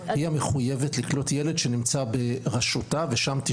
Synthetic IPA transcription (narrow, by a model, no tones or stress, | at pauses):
iameχujeve̞tliklo̞tjele̞dʃe̞nimt͡sabe̞ʁaʃutave̞ʃamt̪i